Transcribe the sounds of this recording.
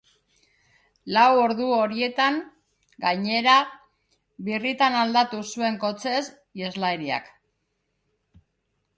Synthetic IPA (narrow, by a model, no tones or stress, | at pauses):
lawo̞ɾðuo̞ɾie̞t̪aŋ | ɡaɲe̞ɾa | βirit̪anald̪at̪usue̞ŋko̞t͡se̞s | jezlaeɾia̰k